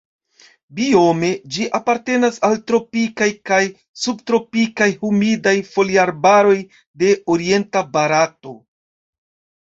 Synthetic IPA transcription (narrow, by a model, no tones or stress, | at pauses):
bio̞me̞d͡ʒiʔapaɾte̞nasaltɾo̞pikajkaj | subtɾo̞pikajhumidajfo̞liaɾbaɾo̞j | de̞oɾie̞ntabaɾato̞